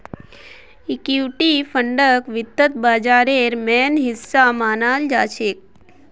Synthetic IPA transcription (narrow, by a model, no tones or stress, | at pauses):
ikjuʈifəɳɖəkʋɪt̪ːət̪baːd͡ʒaːɾeɾmɛnɦɪsːamaːnaːld͡ʒaːt͡ʃʰek̚